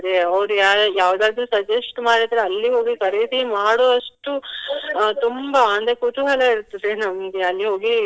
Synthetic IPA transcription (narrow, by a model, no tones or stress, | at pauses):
d̪eɐʋɾuaːjaːʋd̪aːd̪ɾusɐd͡ʒɐsʈmaːɽiɾd̪ɾeɐlːiɦo̞ːɡikɐɾed̪imaːɽoːɐʂʈu | t̪umbaɐnd̪ɐɾekut̪uɦɐlɐiɾt̪ːud̪enɐmɡeɐlːiɦoːɡi